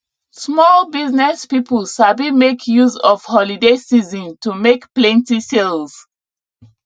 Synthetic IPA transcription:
smɔlbiznɛspipəlʃabimekʰjuzɔfhɔlidesizɔ̃ntumekplɛ̃ntiselz̥

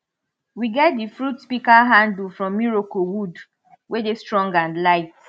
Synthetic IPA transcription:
wiɡɛt̚difɹutspikaɦãndl̩fɹɔ̃mːiɹokowud | wedestɹɔ̃ŋɡãnlaɪt

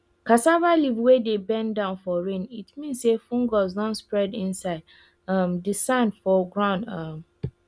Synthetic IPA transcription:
kasavalivwedebɛ̃ndãʊ̃nfɔɹẽnitmĩnsːefũŋɡɔzdɔ̃nspɹɛdĩnsaɪd | ʌmdisãɪ̃nfɔɡɹãʊ̃nʌm

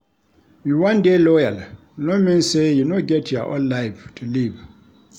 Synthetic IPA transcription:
juwãndelɔjal | lomĩnsejunoɡɛtʰjɔʔɔ̰̃nlaɪvtʰuliv

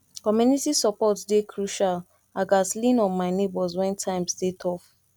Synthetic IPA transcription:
kɔmjunitisɔpɔtdekʰɹuʃal | aɡaslĩnɔ̃nmaɪnebɔzwɛ̃ntʰãɪ̃mstetʰɔf

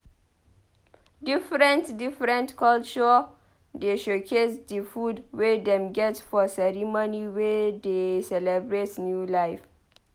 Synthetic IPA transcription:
difɾə̃ntdifɾɛ̃ntkʰɔlt͡ʃɔ | deʃokʰetdəfudwedɛ̃mɡɛtfɔsɛɾimoniwedesɛlɛbɾetnjulajf

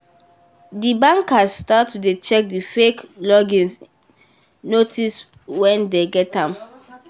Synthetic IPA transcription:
dibãŋkasstatːudet͡ʃɛk̚difeklɔɡĩns | notʰis | wɛ̃ndeɡɛtãm

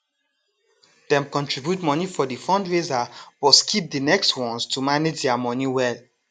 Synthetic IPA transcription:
d̥ɛ̃mkɔ̃ntɹibjutmɔnifɔdefɔ̃ndɹezab̥ɔskʰip̚dinɛkstwɔ̃nstʰumaned͡ʒdɛamɔniwɛl

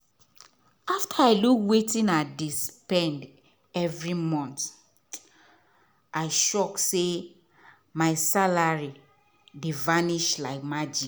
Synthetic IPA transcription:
aftʰaaɪlukwetĩnadispɛ̃nd | ɛvɹimɔ̃nt | ʔaɪʃɔkse | maɪsalaɹi | divaniʃlaɪkmad͡ʒik

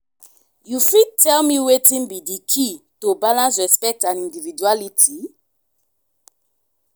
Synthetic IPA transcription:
jufid̚tɛlmiwetĩnbidikʰitobalãns̬ɹɛspɛk̚tãnĩndivid͡ʒualitʰi

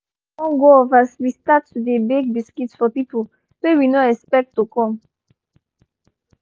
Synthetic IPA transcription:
ɔ̃nɡoɔvaswistatːudebek̚biskitsfɔpipol | sewinoɛspɛk̚tːukɔ̃m

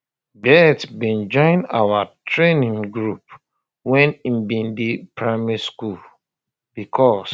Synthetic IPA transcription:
bɛtbĩnd͡ʒɔ̃ɪ̃na̰watʰɹenĩŋɡɹup̚ | wɛ̃nĩmbĩndipʰɹaɪmɛɹiskul | b̥ikʰɔs

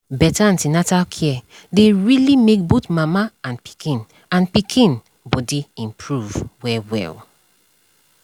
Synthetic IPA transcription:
bɛtaãntinatalkʰɛ | deɹilimek̚botmamaãnpi̥kĩn | ãnpikʰĩn | bɔdiĩmpʰɹuvwɛwɛ̰l

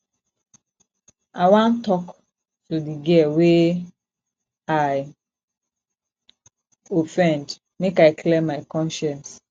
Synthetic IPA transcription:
aɪwãntɔk | tudiɡiɛwe | aj | ofɛ̃nd | mekaɪkʰlẽmːaɪkɔ̃nʃɛ̃ns

